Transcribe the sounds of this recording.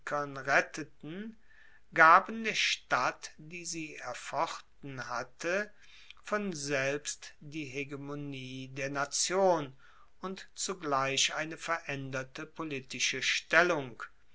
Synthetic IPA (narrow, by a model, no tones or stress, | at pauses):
kʰɐnʁɛtʰətn̩ | ɡaːbn̩deːɐʃtatd̥iːziːɛɐfɔχtn̩hatʰə | fɔnzɛlpstd̥iːɦeɡemoniːdeːɐnat͡sjoːn | ʊntt͡suɡlaɪʃʔaɪnəfɛɐʔɛndɐtəpʰolitɪʃəʃtɛlʊŋk